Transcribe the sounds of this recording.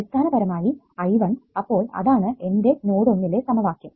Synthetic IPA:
ist̪ʰaːnɐbɐɾɐmaːji | ɐjʋɐnɐpːo̞ːɭɐ̰ðaːɳɨe̞nde̞noːɽonːile̞sɐmɐʋaːkːjum

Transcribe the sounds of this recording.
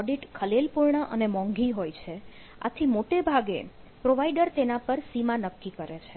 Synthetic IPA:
ɔɖiʈkʰəlelpuɾɳəʔənemɔ̃ŋɡiɦojt͡ʃʰe | a̰t̪ʰimoʈebʱaɡḛ | pɾoʋaiɖəɾt̪enapəɾsimãnəkːikəɾet͡ʃʰe

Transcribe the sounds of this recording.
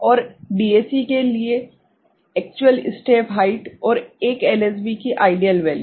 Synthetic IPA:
ɔːɾɖiːeːsikelie | ɛːk̚t͡ʃuəlɪ̰sʈeːpɦaɪʈɔːɾeːkɛles̬bikiʔaːɪɖijəlʋɛːli

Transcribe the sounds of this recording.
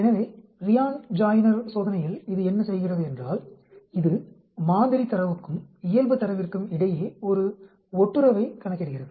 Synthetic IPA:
ɛnɐʋeːɾɪjaːnd͡ʒaːjnɐɾsoːðɐnɐjɪlɪðɯɛnːɐsɛjɣɪrɐðɯɛndraːl | ɪðɯ | maːnd̪ɪɾit̪ːɐɾɐʋɯkːɯmɪjɐlbɯt̪ːɐɾɐʋɪrkɯmɪɽɐjeːɔɾɯ | ɔʈːɯɾɐʋɐɪkɐɳɐkːɪɽɯɣɪrɐðɯ

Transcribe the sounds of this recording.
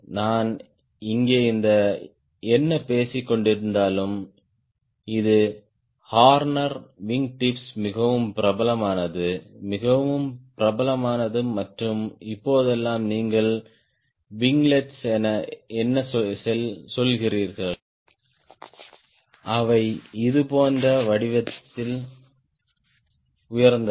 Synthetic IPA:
naːn | ɪŋɡeːɪnd̪ɐ | ɛnːɐpeːsɪkːɔɳɖɪɾɯnd̪aːlɯm | ɪðɯ | haːɾnɐɾʋɪŋɡʈɪpsmɪɣɐʋɯmpɪɾɐbɐlɐmaːnɐðɯmɪɣɐʋɯmpɪɾɐbɐlɐmaːnɐðɯmɐʈrɯmɪpːoːðɛlːaːmniːŋɡɐɭ | ʋɪŋɡlɛʈsɛnɐɛnːɐsɔsɛlsɔlɣɪriːɾɣɐɭ | ʔɐʋɐɪɪðɯpoːndrɐʋɐɽɪʋɐt̪ːɪl | ʊjɐɾnd̪ɐ

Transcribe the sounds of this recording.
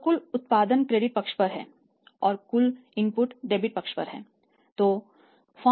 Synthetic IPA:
kʊlʊt̪̚paːd̪ənkɾeːɖɪʈ̚pɐkʃpɐɾɦɛ̰̃ː | ɔːɾkʊlɪ̃mpʊʈɖeːbɪʈ̚pɐkʃpɐ̰ɾɦɛ̰ː | t̪oː | fʰɔː

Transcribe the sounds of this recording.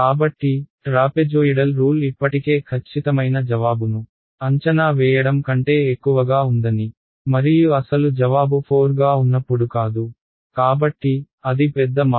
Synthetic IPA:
kaːbɐʈːiʈɾaːped͡ʒoːjiɽɐlɾuːlipːɐʈike̞ːkʰɐt͡ʃːit̪ɐmɐjnɐd͡ʒɐʋaːbunu | ɐɲt͡ʃɐnaːʋɛːjɐɽɐmkɐɳʈe̞ːekːuʋɐɡaːund̪ɐni | mɐɾijuɐsɐlud͡ʒɐʋaːbupʰoːɾɡaːunːɐpːuɽukaːd̪u | kaːbɐʈːi | ɐd̪ipɛd̪ːɐma

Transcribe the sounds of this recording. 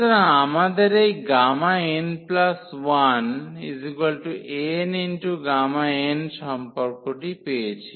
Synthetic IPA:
tɐnaamad̪ɐɾejɡaːmaenplɐsʋɐnizikʋɐlʈuʔeːniɳʈuɡaːmaeːnt͡ʃɐmpɐkuʈipeːd͡ʒi

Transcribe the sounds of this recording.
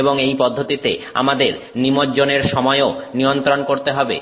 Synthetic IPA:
eboŋejpɔd̪ʱːot̪it̪ea̰mad̪eɾ | nimot̪d͡ʑoneɾʃɔmɔeonijont̪ɾonkoɾt̪eɦɔbḛ

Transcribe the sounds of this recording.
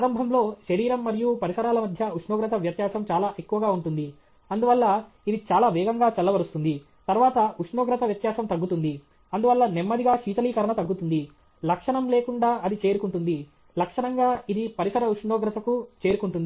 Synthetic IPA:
ɾɐmbʱɐmlo̞ːʃɐɾiːɾɐmːɐɾijupɐɾisɐɾaːlɐmɐd̪ʱjɐut͡ʃɳɔːɡɾɐt̪ɐʋjɐt̪jaːsɐmt͡ʃaːlaːʔe̞kːuʋɐɡaːuɳʈund̪i | ɐnd̪uʋɐlːɐ | id̪it͡ʃaːlaːʋɛːɡɐŋɡaːt͡ʃɐlːɐʋɐɾust̪und̪i | t̪ɐɾʋaːt̪ɐuʂɳoːɡɾɐt̪ɐʋjɐt̪jaːsɐmt̪ɐɡːut̪und̪i | ɐnd̪uʋɐlːɐnemːɐd̪iɡaːʃiːt͡ʃ̪ɐliːkɐɾɐɳɐt̪ɐɡːut̪und̪i | lɐkʂɐɳɐmle̞ːkuɳɖaːʔɐd̪it͡ʃe̞ːɾukuɳʈund̪i | lɐkʂɐɳɐŋɡaːid̪ipɐɾisɐɾɐuʂɳoːɡɾɐt̪ɐkut͡ʃe̞ːɾukuɳʈund̪ii

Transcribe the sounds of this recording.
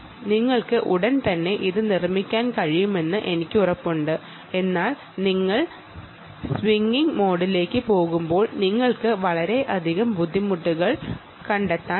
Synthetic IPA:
niŋːɐɭkɨʔuɽɐnt̪ɐnːe̞ʔiðɨnirmːikʲːaːnkɐɻijume̞nːɨʔe̞nikʲːurɐpːuɳɖɨ | e̞nːaːl | niŋːɐɭ | sʋiŋɡiŋmo̞ːɽile̞ːkːɨpo̞ːɣumbo̞ːɭniŋːɐɭkɨʋɐɭɐɾe̞ʔɐd̪ʱiɣɐmbud̪ʱːimuʈːuɣɐɭ | kɐɳɖet̪ːaːn

